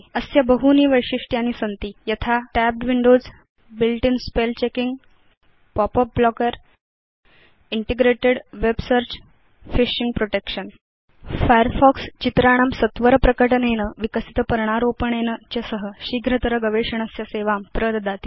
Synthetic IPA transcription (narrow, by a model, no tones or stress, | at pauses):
əsjəbəɦuniːʋəjʂiʂʈjañisənt̪iːjɐt̪ʰaʈæb̚ɖʋiɳɖod͡z | bilʈinspelt͡ɕekiŋɡ | pɔpəp̚blɔkəɾ | iɳʈeɡɾeʈeɽʋebsəɾt͡ɕ | fiɕiŋɡpɾoʈekʂən | fajəɾfɔkst͡ɕit̪ɾaɽ̃amsət̪ʋəɾəpɾəkəʈənenəʋikəsit̪əpəɾɳ̃aɾopəɳenət͡ɕəsəɦəɕiɡʱɾət̪əɾəɡəʋeʂəɳ̃əsjəseʋampɾəɾd̪at̪iː